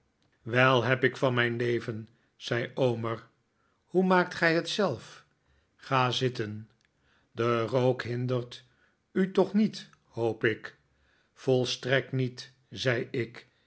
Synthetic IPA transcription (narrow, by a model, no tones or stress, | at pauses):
ʋɛlˠɦɛpɪkfɑnmɛjnlejvən | z̥ɛjowməɹ | humaːk̚tχɛjɦətsɛlˠf | χaːzɪtən | dərowkɦɪndəɹt | ytɔχnit | howpɪk | fɔlˠstrɛk̚tnit | z̥ɛjɪk